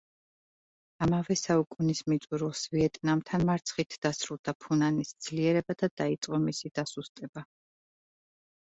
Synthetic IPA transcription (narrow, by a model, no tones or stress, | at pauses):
amavɛsaukʼunismit̪sʼuɾulˠsviɛt̪ʼnamt̪ʰanmaɾt̪sʰχit̪ʰd̪̥asɾulˠd̪̥apʰunanisd̪z̥liɛɾɛbad̪ad̪̥ait̪sʼqʼɔmisid̪̥asust̪ʼɛba